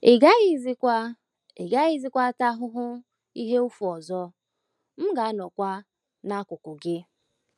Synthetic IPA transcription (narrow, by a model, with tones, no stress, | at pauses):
ɪ˨ɡa˦ɣi˦zi˦kʷa˦ | ɪ˨ɡa˦ɣi˦zi˦kʷa˦ta˦ɦʊ˦ɦʊ˦ | i˦ɦe˦u˦fu˨ɔ˨zɔ˦ | m̩˦ɡa˨a˦nɔ˨kʷa˦ | na˦kʊ˨kʊ˨ɡɪ˦